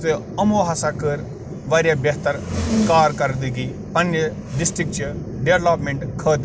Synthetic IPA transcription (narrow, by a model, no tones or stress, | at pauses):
t̪e | ɐmoːɦasakəɾ | ʋaːɾjabɐɦt̪əɾkaːɾkɐɾd̪iɡi | pɐnd͡ʒ | ɖɪsʈɾɪk̚t͡ʃ | ɖeːʋlaːpmẽɳʈkʰəːt̪